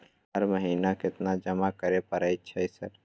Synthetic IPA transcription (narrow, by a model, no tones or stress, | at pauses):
ɦəɾməɦiːnakɪt̪nad͡ʒəmakəɾepəɾəj̚t͡ʃʰɛjsəɾ